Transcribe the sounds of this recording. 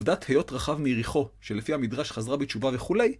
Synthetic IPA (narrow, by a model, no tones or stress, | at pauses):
vdathejo̞tʁaχavmijʁiχo̞ʃe̞lefihamidʁaʃχazʁabitt͡ʃuvaveχule̞j